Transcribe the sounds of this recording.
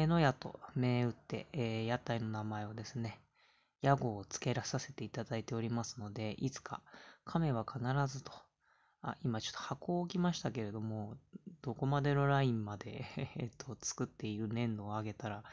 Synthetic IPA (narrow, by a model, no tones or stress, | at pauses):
eno̞jat̪o̞̰me̞ːɯ̟t̪ːe̞̰ːjat̪aino̞namae̞od̪e̞sɨne̞ | jaɡo̞ːt͡sɨ̥ke̞ɾasase̞t̪e̞it̪ad̪ait̪e̞o̞ɾʲimasɨno̞d̪e̞ʔit͡sɨ̥kʰa̰kʰame̞β̞akʰanaɾazɨt̪o̞̥ | a̰ʔimat͡ɕo̞̥t̪ːohako̞ːkʲimaɕi̥t̪ake̞ɾe̞d̪o̞mo̞d̪̥o̞ko̞mad̪e̞no̞ɾaĩmmad̪e̞t̪ʰːo̞t͡sɨ̥kɯ̟t̪ːe̞iɾɯ̟nẽ̞nd̪o̞ːaɡe̞t̪aɾa